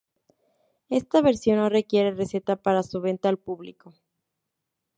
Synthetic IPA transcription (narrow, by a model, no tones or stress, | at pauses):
e̞st̪aβe̞ɾsjo̞nːo̞re̞kje̞ɾe̞re̞se̞t̪apaɾasuβe̞nt̪aːlpuβliko̞